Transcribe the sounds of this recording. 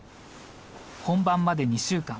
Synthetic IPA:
hõ̞mbãmːad̪e̞ɲ̟iɕɨːkã

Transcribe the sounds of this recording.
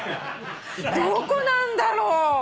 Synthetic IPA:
d̪okonãnd̪aɾoː

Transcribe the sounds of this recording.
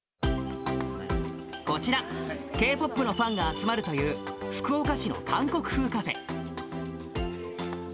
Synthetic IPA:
ko̞t͡ɕiɾake̞ːpo̞pːɯ̟no̞ɸãŋɡaːt͡sɨmaɾɯ̟t̪o̞jɯ̟ːɸɯ̟̥kɯ̟okaɕino̰kãŋko̞kɯ̟̥ɸɯ̟ːkaɸe̞̰

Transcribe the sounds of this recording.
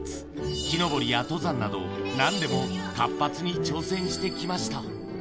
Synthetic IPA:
kʲino̞bo̞ɾʲijat̪o̞zãnːad̪o̞̰nãnd̪e̞mo̞kapːat͡sɨɲ̟it͡ɕo̞ːsẽ̞ɰ̃ɕi̥t̪e̞kʲimaɕi̥t̪a

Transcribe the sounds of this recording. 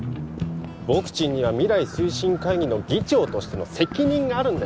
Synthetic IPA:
bo̞kɯ̟̥t͡ɕĩɲ̟ːiβamʲiɾaisɨiɕĩŋkaiɡʲino̞ɡʲit͡ɕo̞ːt̪o̞ɕi̥t̪e̞no̞̰se̞kʲiɲ̟ĩŋɡaːɾɯ̟̃nd̪a

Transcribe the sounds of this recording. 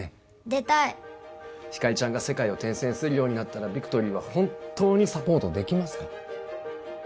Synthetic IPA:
d̪e̞t̪ai | çi̥kait͡ɕãŋɡase̞kaio̞t̪ẽ̞ɰ̃sẽ̞ɰ̃sɨɾɯ̟jo̞ːɲ̟inat̪ːaɾabʲikɯ̟̥t̪o̞ɾʲiːβahõ̞nt̪ʰo̞ːɲ̟isapo̞ːt̪o̞d̪e̞kʲimasɨ̥ka

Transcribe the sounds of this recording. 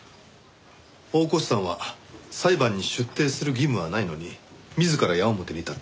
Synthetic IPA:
o̞ːko̞ɕi̥sãɰ̃βasaibãɲ̟ːiɕɨt̪ːe̞ːsɨɾɯ̟ɡʲimɯ̟βanaino̞ɲ̟imʲizɨkaɾajaomot̪eɾʲit̪a

